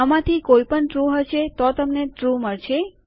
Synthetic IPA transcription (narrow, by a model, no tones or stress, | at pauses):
əmãt̪ʰikoipəɳʈɾuɦəʃet̪ot̪əmneʈɾuməɭt͡ʃʰe